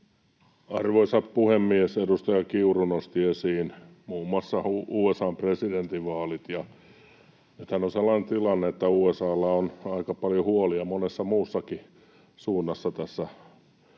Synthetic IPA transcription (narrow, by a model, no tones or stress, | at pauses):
ɑrʋoisɑppuhemːiesedust̪ɑjɑkiurunost̪iesiːn | muːmːoɑsːɑuuːesɑːmpresident̪iʋʋɑːlit̪jɑ | nyt̪hænːonselːɑnent̪ilɑnːeet̪ːæuːesɑːlːɑonɑikɑpɑljohuoliɑmonesːɑmuːsːɑki | suːnːɑsːɑt̪æsːæ